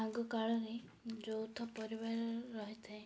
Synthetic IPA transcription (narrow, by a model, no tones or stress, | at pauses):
aɡɔkaɭɔɾe | d͡ʒowt̪ʰɔpɔɾibaɾɔːɔɦit̪ʰɛ